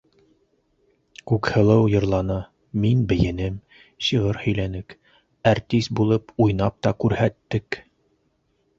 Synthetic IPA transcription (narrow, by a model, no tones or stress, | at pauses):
kʉkhɤ̆lˠɤwjɤ̆ɾlˠɑnɤ | minbɘ̆jɘ̆nɘm | ɕɤʁɤɾhɵ̆jlænɘk | ɑɾt̪ʲist̪̚bulˠɤpujnɑp̚t̪ɑkʉɾhæt̪ːɘk